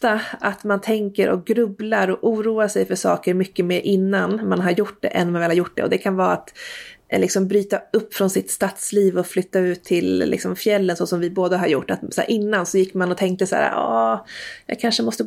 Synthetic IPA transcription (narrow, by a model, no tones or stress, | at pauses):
t̪aʔat̪mant̪ʰɛŋkəɾʔɔ̰k̚ɡɾɵblaɾɔʔuːɾuːaʂɛjfœʂɑ̰ːkəɾmʏkːəmeːɾʔɪnːanmanɦaɾjʊʈ̚ːd̪ɛ̰ʔɛ̰nːmanvɛːlhaɾjʊʈ̚ːd̪ɛ̰ɔd̪ɛkʰanvɑːat̪lɪksɔmbɾyːt̪aɵpːfɾɔnsɪt̪st̪at̪sliːvɔflʏt̪ːaʉ̟ːt̪ʰːɪllɪ̰ksɔmfjɛlːənsɔsɔmvɪboːd̪aɦaɾjʊ̰ʈːat̪sa̰ːɾʔɪnːansɔjɪkːmanɔt̪ʰɛŋk̚t̪əsæ̰ːɾa̰ʔɑːjɑ̰ːkʰanʂəmɔst̪ə